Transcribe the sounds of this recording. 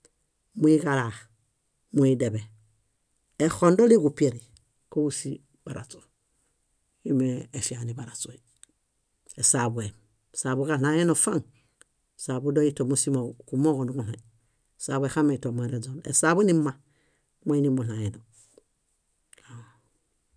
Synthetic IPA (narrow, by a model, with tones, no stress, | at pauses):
mu˦i˦ɡa˨la˨ | mu˨i˦de˨be˨ | e˨xo˨ndo˦li˦ɡu˨pi˦e˨ɾi˨ | ko˦u˦si˦ | ba˨ɾa̰˨t͡so̥˨ | i˦meː˨fi˨a˨ni˨ba˨ɾa˨so˨i˨ | e˨sa˨bu˨e˨ | sa˨bu˦ka˦na˨je˦no˨fa˦ŋ | sa˨bu˦do˦i˦to˨mu˦si˦mo˨ku˨mo˦ɣo˨nu˦ɡu˨la˨ | sa˨bwe˨xa˦me˨i˨to˨m˦e˨ɾe˨d͡ʒo˨nḛ˨sa˨be˦ni˦ma˨ | mo˦i˦ni˦mu˨la˨je˨no˨ | a˨